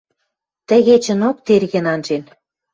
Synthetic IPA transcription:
t̪ə̆ɣet͡ɕə̆nok̚t̪erɣɘ̆nɑnʒen

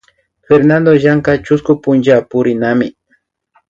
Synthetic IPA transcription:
feɾnand̪oʒaŋkat͡ʃʊskʊpʊnt͡ʃapʊɾɪnamɪ

